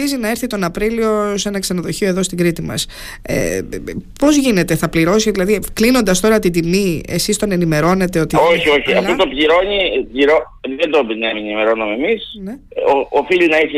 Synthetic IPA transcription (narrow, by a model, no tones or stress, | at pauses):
izinɐe̞ɾθit̪o̞nɐpɾilio̞se̞nɐksɐnɐðo̞çio̞eðo̞st̪iŋɡɾit̪imɐ̰s | ḛpo̞zʝine̞t̪e̞θɐpliɾo̞siðilɐðiklino̞nd̪ɐst̪o̞ɾɐt̪id̪imiesist̪o̞ne̞nime̞ɾo̞ne̞t̪e̞o̞t̪ioçioçiɐfot̪opʎiɾo̞ɲipʎiɾo | ðend̪obɾinɐmineimeɾo̞numemisneoːfilinɐise